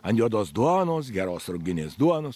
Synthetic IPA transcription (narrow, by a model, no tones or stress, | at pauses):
ɐnʲjʲuɔd̪oːsd̪uɔnoːs̬ɡʲæɾoːsɾʊɡʲɪnʲeːsd̪uɔnos